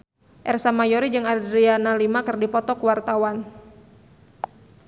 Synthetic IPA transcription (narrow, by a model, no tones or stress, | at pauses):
ʔɛrsamajɔɾid͡ʒɨŋadɾianalimakɨrdipɔt̪ɔkuwart̪awan